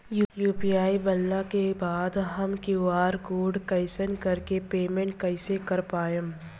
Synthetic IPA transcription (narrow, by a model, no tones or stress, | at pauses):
jujuːpijaːibɐlːakebaːd̪ɦɐmkeaːɾkoːɖkɐɪsənkɐɾkepeːmẽɳʈ̚kɐɪsekɐɾpaːjəm